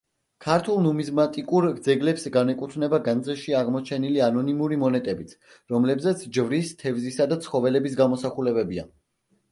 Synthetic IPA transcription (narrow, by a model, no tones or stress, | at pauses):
kʰaɾt̪ʰulˠnumizmat̪ʼikʼuɾd̪zɛɡlɛpsɡanɛkʼut̪ʰnɛbaɡand̪zɛʃiaʁmɔt͡ʃʰɛnilianɔnimuɾimɔnɛt̪ʼɛbit̪sʰ | ɾɔmlɛbzɛt̪sʰd͡ʒvɾist̪ʰɛvzisad̪at̪sʰχɔvɛlɛbis̬ɡamɔsaχulɛbɛbia̰